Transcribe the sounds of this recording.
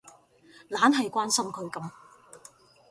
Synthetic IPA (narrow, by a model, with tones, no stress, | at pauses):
laː˨˥nɦɐ˨jkʷaː˥nsɐ˥mkʰɵ˨˧ɥkɐ˨˥m